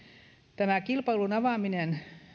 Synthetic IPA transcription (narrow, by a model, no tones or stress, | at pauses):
t̪æmækilpɑilunɑʋɑminen